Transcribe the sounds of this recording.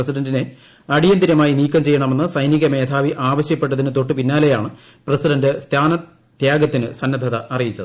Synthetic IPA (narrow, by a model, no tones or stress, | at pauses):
esiɖɐndine̞ | ɐɽijɐnd̪iɾɐmaːjiniːkːɐmt͡ɕe̞jːɐɳɐme̞nːɨsɐjniɣɐme̞ːd̪ʰaːʋiʔaːʋɐɕjɐpːe̞ʈːɐðinɨt̪o̞ʈːɨpinːaːle̞jaːɳɨ | prɐsiɖɐndɨst̪ʰaːnɐ | t̪jaːɡɐt̪ːinɨsɐnːɐd̪ʱɐðɐːrijit͡ɕːɐðɨ